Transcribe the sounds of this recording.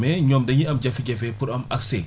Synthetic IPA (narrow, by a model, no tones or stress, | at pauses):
mɛɲɔmdɐɲiɐmd͡ʒɐfiɡɛfɛpuɾɐmɐksɛ̰